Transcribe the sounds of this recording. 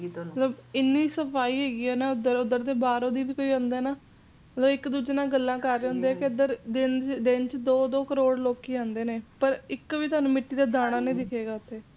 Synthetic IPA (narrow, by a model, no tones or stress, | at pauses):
oət̪ləbɪnːiːsəpʰaːiːɦɛːɡiːɛːnɛ̃ːʊd̪əɾʊd̪əɾt̪eːbaːɾõːd̪iːʋiːkoːiːõːnd̪ɛːnaː | mət̪ləbɪkd̪uːd͡ʒnãːɡəlːãːkəɾːeːɦʊ̃ːnd̪eɛːkeʊd̪əɾd̪ɪnd̪ɪnt͡ʃd̪oːd̪oːkəɾoːɽloːkiːãːnd̪eːneːpəɾɪkʋiːt̪aːnũːmɪʈːiːd̪aːd̪aːɽ̃ãːnĩːd̪ɪkʰeːɡaːʊt̪ʰːeː